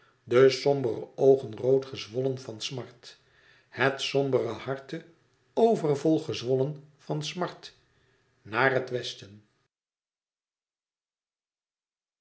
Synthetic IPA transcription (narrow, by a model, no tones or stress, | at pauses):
dəsɔmbərə̰owχənrowtχəzʋɔlənvɑnsmɑɹt | hɛtsɔmbərəhɑɹtə | owvərvɔlˠχəzʋɔlənvɑnsmɑɹt | naːrɦətʋɛstən